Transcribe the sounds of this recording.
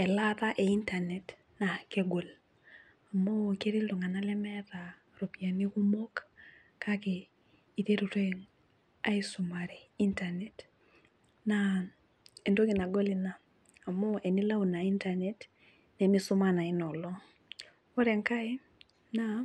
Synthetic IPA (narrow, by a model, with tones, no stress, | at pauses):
ɛ˨lata˦ʔe˨i˦ntanɛ˨t | na˨ke˦ɡo˨l | a˨mo˦ke˦ɾi˦lo˨ŋa˨na˦lɛ˦mɛða | ɾo˨pi˨a˨ni˦ku˦mo˦k | kake˨ | i˨te˦ɾu˨te˦ŋ | a˦i˦sʊ˨maɾɛ˨i˦ntane˨t | na | e˨ndo˦kɪ˨na˨ɡo˦li˨naː˨ | mo˦e˨ni˦la˦u˨na˨i˦ntane˨t | nɛ˨mɪ˦sʊ˦mana˨ɪ˦nɔ˨lɔ˦ | o˦ɾɛ˨ŋka˦ɪ˦ | na